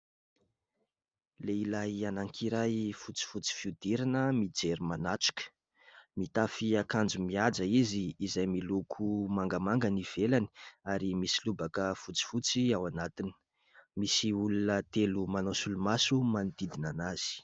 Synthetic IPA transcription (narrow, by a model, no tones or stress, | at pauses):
leilajanaŋkʰiɾajfut͡si̥fut͡si̥fiud̪̥iɾanəmid͡zeɾimanaʈ͡ʂu̥kə̥ | mit̪afiakand͡zumiad͡zəiziːzajmilukʰumaŋɡəmaŋɡaniv̥elani̥aɾimisilubakəfut͡si̥fut͡siawanat̪ini̥ | misiulunət̪elumanosulumasumanid̪id̪inanaz̥i̥